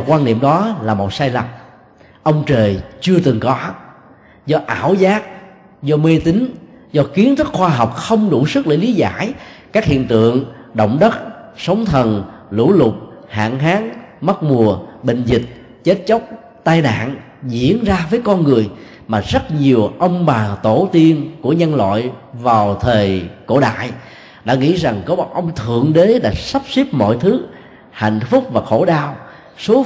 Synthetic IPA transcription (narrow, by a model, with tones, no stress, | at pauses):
kwaː˧nḭ˧˨əmɗɔ˨˦laː˨˩mo˨˩t̚saː˧jla˨˩m | ʔə˧wŋ͡mt͡ɕəː˨˩jt͡ɕɨ˧ət̪ɨ˨˩ŋkɔ˨˦ | zɔ˧ʔa̰ː˧˩wzaː˦˥k̚ | zɔ˧me˧t̪ï˨˦ŋ̟zɔ˧ki˨˦ənt̪ə˦˥t̚xwaː˧ɦɔ˨˩wk͡p̚xə˧wŋ͡mɗu˧˩sɨ˦˥k̚lə̰ː˧˩li˨˦za̰ː˧˥˩jkaː˦˥k̚hḭ˧˨ənt̪ɨ̰˧˨əŋɗə̰˧˨wŋ͡mɗə˦˥t̚sə˨˦wŋ͡mt̪ʰə˨˩n | lṵ˧˥lʊ˨˩k͡p̚ha̰ː˧˨nɦaː˨˦ŋmə˦˥t̚mu˨˩əɓï˧˨ŋ̟zï˨˩k̟̚ | t͡ɕe˦˥t̚t͡ɕə˦˥wk͡p̚ | t̪aː˧jna̰ː˧˨n | zḭ˧˨˥ənzaː˧vəː˨˦jkɔ˧nŋɨ˨˩əj | maː˨˩zə˦˥t̚ɲi˨˩əwʔə˧wŋ͡mɓaː˨˩t̪o˧˩t̪i˧ənku˧˩əɲə˧nlwa̰ː˧˨jvaː˨˩wt̪ʰəː˨˩jko̰˧˩ɗa̰ː˧˨j | ɗa̰ː˧˥ŋḭ˧˥za˨˩ŋkɔ˨˦˨ʔə˧wŋ͡mt̪ʰɨ̰˧˨əŋɗe˨˦ɗa̰ː˧˥sa˦˥p̚si˦˥p̚mɔ̰˧˨jt̪ʰɨ˨˦ | ha̰˧˨jŋ̟fʊ˦˥k͡p̚vaː˨˩xo˧˩ɗaː˧w | so˨˦